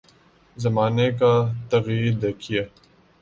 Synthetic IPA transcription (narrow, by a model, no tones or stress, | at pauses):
zɐmaːnekat̪ɐɣjiːɾd̪ɐkʰia